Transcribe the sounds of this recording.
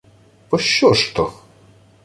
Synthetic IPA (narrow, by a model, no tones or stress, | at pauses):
pɔʃːɔʂt̪ɔx